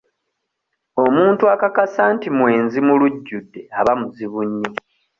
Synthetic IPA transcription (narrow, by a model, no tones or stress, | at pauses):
o̞muːntuakakasaːntimwe̞ːnzimuluɟːudːe̞aβamuziβuɲːi